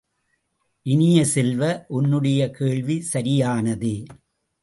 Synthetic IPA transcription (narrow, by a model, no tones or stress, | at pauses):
ʔɪnɪjɐsɛlʋɐʔʊnːɯɽɐjɐkeːɭʋisɐɾɪjaːnɐðɯ